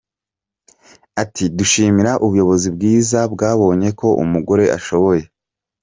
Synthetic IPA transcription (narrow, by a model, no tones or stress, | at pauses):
atʰiduʃiːmiɾaʔuβujo̞βo̞zibɡiːzabɡaːβo̞ːɲe̞ko̞ʔṵmuɡo̞ɾe̞ʔa̰ʃo̞βo̞je̞